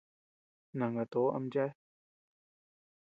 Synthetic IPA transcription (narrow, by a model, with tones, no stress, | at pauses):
nã˨ŋɡa˨t̪o˨˦ʔa̰˧˦md͡ʒa˦